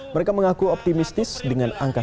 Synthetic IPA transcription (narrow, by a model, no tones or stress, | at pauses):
məɾekaməŋakuɔp̚t̪imist̪ɪsdəŋanaŋka